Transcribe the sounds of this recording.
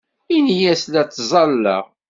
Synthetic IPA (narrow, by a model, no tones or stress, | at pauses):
injæslæt͡sːzˤɑlːæ̰